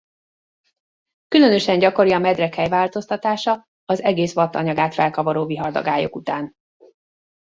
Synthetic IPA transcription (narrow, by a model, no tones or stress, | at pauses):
kylø̞nø̞ʃɛɲɟɒko̞ɾiɒmɛd̪rɛkhɛjvaːlt̪o̞st̪ɒt̪aːʃɒ | ɒzɛɡeːsʋɒt̪ːɒɲɒɡaːt̪fɛlkɒvoɾoːviɦɒrd̪ɒ̰ɡaːjo̞̰kut̪aːn